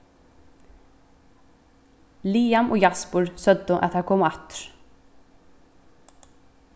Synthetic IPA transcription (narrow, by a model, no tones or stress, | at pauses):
liːamʔɔɣjaspuɾ̥sœt̪ːʏʔa̰ðθakʰɔːmaht̪ʏ̥ɾ̥